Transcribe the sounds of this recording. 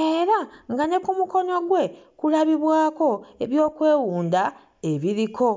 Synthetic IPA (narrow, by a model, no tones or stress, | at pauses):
eːɾaŋɡane̞kumuko̞no̞ɡwe̞kulaβiβwaːko̞e̞βjo̞ːkwe̞ːwuːnd̪a | eβiɾikʰo̞